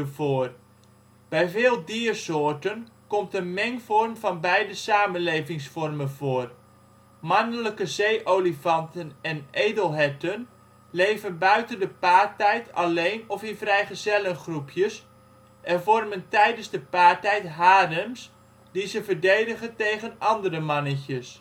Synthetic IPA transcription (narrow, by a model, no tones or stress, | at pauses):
əvoːr | b̥ɛjvɪːlˠdiːərsoːrtənkɔmtənmɛŋfɔrmvɑnbɛjdəsaːmənleːvɪŋsfɔrmənvoːr | manələkəzeːʔolifɑntənɛnʔejdəlˠɦɛtən | lejvənbœɥtəndəpaːrtɛjtʰɑlejnɔfɪnvrɛjχəzɛlənχrupʰjəs | ʔɛnvɔrməntɛjdənzdəpaːɹtɛjtɦaːdəms | dizəvəɹdejdəχəntejχənɑndərəmɑnəcəs